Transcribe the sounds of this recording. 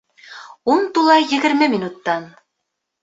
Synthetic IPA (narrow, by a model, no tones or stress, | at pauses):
unt̪ulˠɑjjɘ̆ɡɘ̆ɾmɘminut̪ːɑn